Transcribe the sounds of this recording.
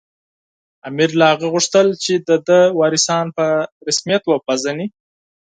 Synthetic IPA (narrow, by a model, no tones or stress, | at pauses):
amiɾlahaɣəɣuʂt̪əlt͡ʃed̪əd̪əwɑɾɪsɑnpəɾɪsmijat̪wəpazəni